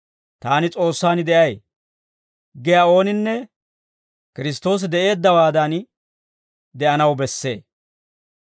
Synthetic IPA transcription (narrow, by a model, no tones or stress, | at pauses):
t̪aːnɪt͡sʼo̞ːsːaːnɪd̪ɛʔɐj | ɡɛjaːo̞ːnɪnːɛ | kɪɾɪs̬t̪o̞ːs̬ɪd̪ɛʔe̞ːd̪ːɐwaːd̪ɐn | d̪ɛʔɐnɐwbɛsːe̞̰ː